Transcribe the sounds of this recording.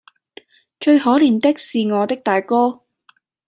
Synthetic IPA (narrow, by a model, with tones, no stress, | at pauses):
t͡ʃɵ˧ɥhɔː˨˥liː˨˩nt̪ɪ˥k̚siː˨ŋɔː˨˧t̪ɪ˥k̚t̪aː˨jkɔː˥